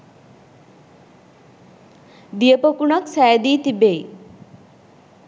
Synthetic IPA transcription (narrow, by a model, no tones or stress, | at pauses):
d̪ijəpəkuɳaksɛjd̪iːt̪ibej